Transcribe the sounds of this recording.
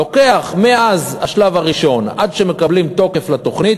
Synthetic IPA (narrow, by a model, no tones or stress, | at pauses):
oke̞aχmeaazhaʃlavaʁiʃo̞nadʃeme̞kablimt̪o̞ke̞flat̪o̞χnit̪